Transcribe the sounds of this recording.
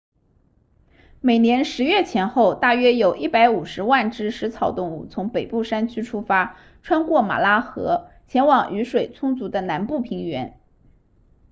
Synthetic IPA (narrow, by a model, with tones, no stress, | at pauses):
me˨˩ɪnjɛ˧˥nʂɻ̩˧˥ɥɛ˥˩t͡ɕʰjɛ˧˥nxo˥˧ʊt̪a˥˩ɥɛ˥jo˨˩ʊʔi˥˩pa˧˥ɪu˨˩ʂɻ̩˧˥wa˥˩nʈ͡ʂɻ̩˥ʂɻ̩˧˥t͡sʰɑ˨˩ʊt̪ʊ˥˧ŋu˥˩t͡sʰʊ˧˥ŋpe˨˩ɪpu˥˩ʂa˥nt͡ɕʰy˥ʈ͡ʂʰu˥fa˥ | ʈ͡ʂʰwa˥nkwɔ˥˩ma̰˨˩la˥xɤ˧˥t͡ɕʰjɛ˧˥nwɑ˨˩ŋʔy˧˥ʂwe˨˩ɪt͡sʰʊ˥ŋt͡su˧˥d̪ə˧na˧˥npu˥˩pʰi˧˥ŋɥɛ˧˥n